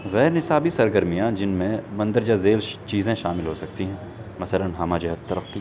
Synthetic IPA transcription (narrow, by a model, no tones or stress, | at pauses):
ɣɛːɾnɪsaːbisɐɾɡəɾmijãd͡ʒɪnmẽmɐ̃nd̪əɾd͡ʒazeːlt͡ʃiːzẽʃaːmɪlɦosɐk̚t̪iɦɛ̃ː | mɐsələnɦaːmaːd͡ʒɐɦət̪ːɐɾəqːi